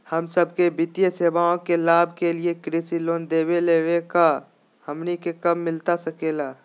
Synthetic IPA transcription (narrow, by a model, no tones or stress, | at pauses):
həmsəb̚kebɪt̪ijeseːʋaːõkelaːb̚ʱkeliekɾesiloːnd̪eːweleːweka | hɐmnikekɐmːɪlt̪asɐkeːlaː